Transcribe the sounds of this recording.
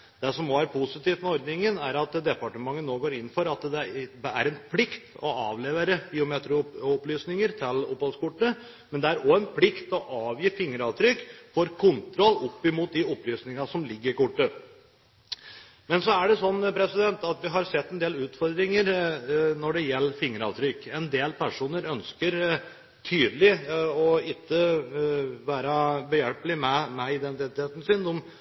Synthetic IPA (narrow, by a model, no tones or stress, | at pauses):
d̪̥ɛsɔmɔæɾpʰʊsɪt̪iːft̪mɛɔɾd̪nɪŋənæɾɑt̪d̪ɛpɑʈəmɑŋːənːoːɡoːɾɪnːfɔɾɑt̪d̪ɛbɛæɾɛnpʰlɪkt̪ɔʔɑːʋleːʋeːɾəb̥iːʊmeːt̪ɾʊɔplyːsnɪŋəɾt̪ʰɪlɔphɔlskʰʊʈːə | mɛnd̪ɛæɾɔɛnpʰlɪkt̪ɔʔɑːʋjiːfɪŋːəɾɑʋt̪ʰɾʏkːfɔɾkʰʊnt̪ʰɾɔlːɔpːɪmuːt̪̚d̪ɪɔplyːsnɪŋɑsɔmlɪɡːəɾɪkʊʈːə | mɛnsɔæɖɛsɔnːpʰɾɛsɪd̪ɛnt̪ɑt̪ʋɪɦɑɾsɛt̪ːɛnd̪eːlʉːt̪fɔɾd̪ɾɪŋəɾnɔɖɛjɛlːəɾfɪŋːəɾɑ̰ːʋt̪ʰɾʏkːɛnd̪eːlpʰæʂuːnəɾœnskəɾ | t̪ʰyːd̪lɪɔɪt̪ːə | ʋæːɾɑbəjɛlplɪmɛmɛɪd̪ɛnt̪ɪt̪ʰeːt̪n̩sɪnɔm